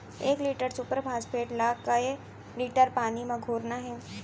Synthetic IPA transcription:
eːkliːʈəɾsʊpəɾpʰaːspʰeːʈlaːkkae | liːʈəɾpaːnimẽɡʱoːɾnaɦɛː

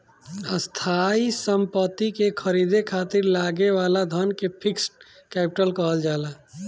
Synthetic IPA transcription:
əst̪ʰaisəmpət̪ːikekʰəɾiːd̪ʱekʰaːt̪iɾlaːɡeʋaːlad̪ʱənkepʰɪksʈ̚ | kɛːpɪ̥ʈəlkəɦəld͡ʒaːla

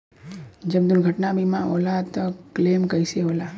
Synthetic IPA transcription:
d͡ʒəbd̪ʊlɡʱəʈnabʱimão̰ːlat̪okleːmkəiseɦola

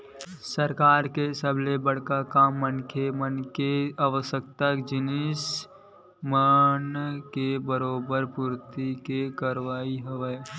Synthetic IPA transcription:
səɾkaːɾkesəblebəɽ̤kakaːmːənkʰemənkeaʋəsəkt̪akd͡ʒɪnɪs | mənkebəɾoːbəɾpuɾt̪ikekəɾʋaːiɦoʋeː

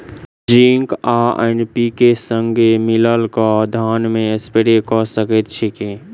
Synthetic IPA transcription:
d͡ʒiŋkaḛnpikesəŋɡʱemɪləlkad̪ʱaːnmẽspeɾekɔsəkət̪̚t͡ʃʰeke

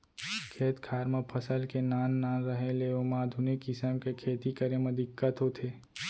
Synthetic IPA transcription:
kʰeːt̪kʰaːɾməpʰəsəlkenaːnːaːnɾəɦẽleomaːd̪ʱunekɪsəmkekʰeːt̪ikəɾẽmɐd̪ɪkːət̪ɦot̪ʰeː

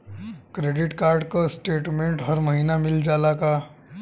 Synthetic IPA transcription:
kɾeːɖɪʈkaːɾɖkosʈeːʈmẽɳʈɦɐɾməɦiːnamɪld͡ʒaːlaka

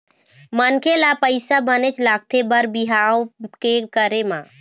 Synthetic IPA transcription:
mənkʰelapəɪsabənet͡ʃlak̚t̪ʰebəɾbiɦaokekəɾemã

